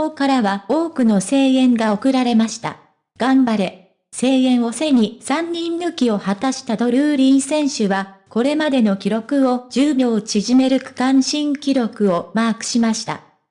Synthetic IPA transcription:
oːkaɾaβao̞ːkɯ̟no̞se̞ːẽ̞ŋɡao̞kɯ̟ɾaɾe̞maɕi̥t̪a̰ | ɡ̥ãmbaɾe | se̞ːẽ̞ɰ̃o̞se̞ɲ̟isãɲːĩnːɯ̟kʲio̞hat̪aɕi̥t̪ad̪o̞ɾɯ̟ːɾʲĩɰ̃sẽ̞ɰ̃ɕɯβako̞ɾe̞mad̪e̞no̞kʲiɾo̞kɯ̟o̞d͡ʑɨːbʲjo̞ːt͡ɕiʑime̞ɾɯ̟kɯ̟̥kãɰ̃ɕĩŋkʲiɾo̞kɯ̟o̞maːkɯ̟̥ɕimaɕi̥t̪a̰

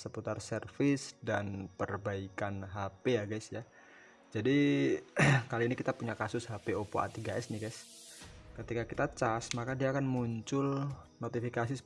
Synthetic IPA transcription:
səput̪arsərfɪsdanpərbaikanɦapejaɡajsja | d͡ʒadi | kaliːnikit̪apuɲakasʊshapeopo̰ʔa̰t̪iɡaʔɛsnɪɡaɪs | kət̪ikakit̪at͡ʃasmakadiaːkanmuɲt͡ʃʊlnot̪ifikasis

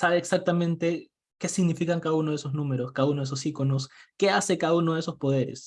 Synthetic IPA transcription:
saβeːksak̚t̪amẽ̞nt̪e̞ | ke̞siɣnifikaŋkaðauno̞ð̞esoznũme̞ɾo̞skaðaunoesosiko̞no̞ske̞ase̞kaðaunoesospo̞ð̞e̞ɾḛs

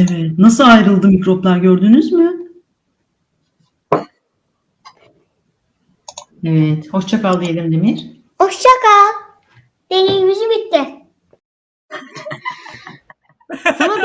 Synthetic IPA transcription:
evɛt̪nasɯlˠajɾɯlˠd̪ɯmicɾo̞plˠaɾɟø̞ɾd̪ynyzmɯ | evɛt̪hoʃt͡ʃʰakalˠd̪ijelʲind̪emiɾ̥ | oʃt͡ʃʰaka | d̪̥elʲijmyzybit̪ːɪ | sana

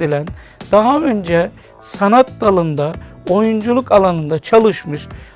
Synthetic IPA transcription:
ilʲæn | d̪̥aɦaø̞nd͡ʒɛ | sanat̪d̪alˠɯnd̪ao̞jund͡ʒulˠukalˠanɯnd̪at͡ʃʰalˠɯʃmɯʃ

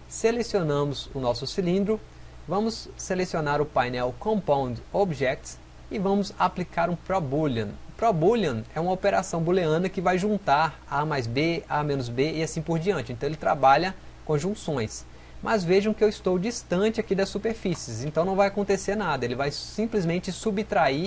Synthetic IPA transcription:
selesionɐ̃mʊzʊnɔsʊsilĩnd̪ɾʊ | vɐ̃mʊsːelesionaɾʊpajnɛwkõmpõd̪obʒɛk̚t̪s | ɪvɐ̃mʊzaplikaɾũpɾɔbulɐ̰̃ʊpɾɔbulɐ̃nɛũmɐopeɾasɐ̃w̃buleɐ̃nɐkɪvajʒũnt̪aɾ | amajzbeamẽnʊzbeɪasĩpoɾd͡ʒiɐ̃t͡ʃɪẽt̪ɐ̃w̃elɪt̪ɾa̰baʎɐkõʒũsõj̃s | mʔɐzveʒɐ̃w̃kɪewɪst̪owd͡ʒist̪ɐ̃t͡ʃɪakid̪ɐsːupeɾfisɪzẽnt̪ɐ̃w̃nɐ̃w̃vajakõnt̪eseɾnad̪ɐelɪvajsĩplizmẽnt͡ʃɪsubt̪ɾai

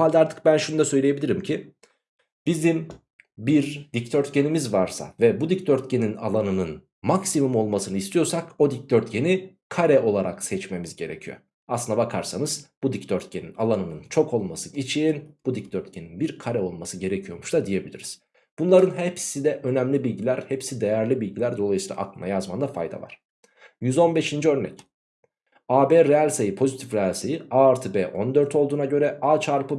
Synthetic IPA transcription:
malʲd̪ɛaɾt̪ʰɯ̥k̚bænʃunud̪asø̞jlʲijebilʲiɾimcʰi | b̥izim | biɾd̪ict̪ʰøɾt̪ce̞nimizvaɾsa̰vɛbud̪ict̪ʰøɾt̪ce̞nina̰lˠanɯnɯn | maksimumo̞lˠmasɯnɯist̪ʰijoɾsako̞d̪ic̚t̪ʰøɾt̪̚ɟe̞ni | kʰaɾɛo̞lˠaɾa̰ksɛt͡ʃme̞mizɟe̞ɾḛcʰijo̰ | aslˠɯnd̪abakʰaɾsanɯz̥b̥ud̪ict̪ʰøɾt̪̚ce̞ninalˠanɯnɯnt͡ʃʰo̞kʰo̞lˠmasɯit͡ʃʰiinb̥ud̪icd̪øɾt̪̚cʰeninbiɾkʰaɾɛo̞lˠmasɯɟe̞ɾecʰijo̞muʃt̪ʰad̪ije̞bilʲiɾiz̥ | b̥unlˠaɾɯnɦepsid̪ɛʔø̞næmlʲibilʲɟilʲæɾhepsid̪ejæɾlʲibilʲɟilʲæɾd̪oajɯsiːlˠa̰ʔaklˠɯmajazmand̪afa̰jd̪a̰va̰ɾ̥ | jyzo̞nbe̞ʃind͡ʒiø̞ɾnɛ̰c | aːbeːɾealʲsejipʰo̞zit̪ʰifɾealʲsejiaɾt̪ʰɯbeːʔo̞nd̪ø̞ɾt̪ʰolˠd̪uːnaɟø̞ɾɛaːt͡ʃʰaɾpɯ

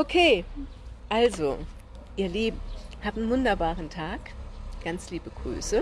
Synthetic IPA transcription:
ʔokʰeː | ʔalzo̰ | ʔiːɐliːbm̩haːptn̩vʊndɐbaːʁəntʰaːkɡ̥ant͡sliːbəɡ̥ʁy̰ːsə

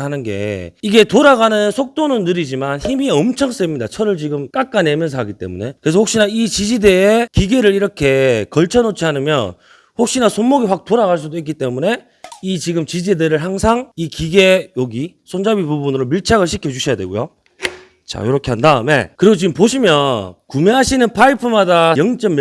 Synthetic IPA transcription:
ɦanɯnɡe̞̰iɡe̞toɾaɡanɯnsʰok̚t͈onɯnːɯɾid͡ʑimançimiʌmt͡ɕʰʌŋs͈ʌimɲidat͡ɕʰʌɾɯɭt͡ɕiɡɯmk͈ak͈ane̞mjʌns̬ʰʌɦaɡit͈e̞̰mune̞kɯɾes̬ʰʌɸok̚ɕ͈inait͡ɕid͡ʑideːkiɡe̞ɾɯɾiɾʌkʰe̞kʌɭt͡ɕʰʌnot͡ɕʰiɦanɯmjʌn | hok̚ɕ͈inasʰonmːoɡiɸwak̚t͈oɾaɣaɭs̬͈udoik͈it͈e̞mune̞ | it͡ɕiɡɯmt͡ɕid͡ʑedɯɾɯɭɦaŋsʰaŋikiɡe̞joɡi | sʰond͡ʑabibubunɯɾomiɭt͡ɕʰaɣɯɭɕʰikʰjʌd͡ʑuɕʰijadwe̞̰ɡo̰jo | t͡ɕa̰joɾʌkʰe̞ɦandaɯme̞̰kɯɾiɡot͡ɕiɡɯmpoɕʰimjʌnkumjeɦaɕʰinɯnpʰaipʰɯmadajʌŋt͡ɕ͈ʌm

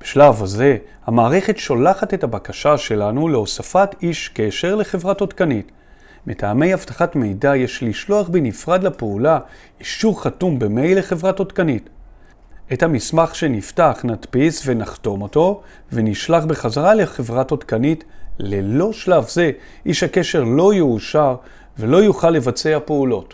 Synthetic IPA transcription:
b̥e̥ʃlavaze̞ | hamaːʁe̞χe̞tʃo̞laχate̞tabakaʃaʃe̞lanuleo̞safatiʃke̞ʃeʁle̞χe̞vʁato̞tkanit | metʰaːme̞javtḁχatme̞jdajeʃliʃlo̞aχbenifʁad̪lapeula | iʃuʁχatumbeme̞jle̞χe̞vʁato̞tkanit | ethamismaχʃe̞niftaχnatpisve̞naχto̞mo̞to̞ | ve̞niʃlaχbeχazaʁale̞χe̞vʁato̞tkanitle̞lo̞ʃlavze̞ | ʔiʃhake̞ʃe̞ʁlo̞juːʃaʁ | velo̞juχalːe̞vat͡seapeulo̞t

